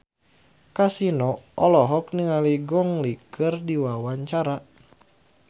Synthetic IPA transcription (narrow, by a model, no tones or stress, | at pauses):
kasinɔɔlɔɦɔk̚niŋaliɡɔŋlikɨrdiwawaɲt͡ʃaɾa